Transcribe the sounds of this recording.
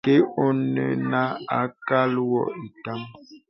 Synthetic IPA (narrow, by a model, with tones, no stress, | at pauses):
ke˦o˦nə̰˨na˦a˨˦ka˦lwɔ̰˦˨i˨ta˦m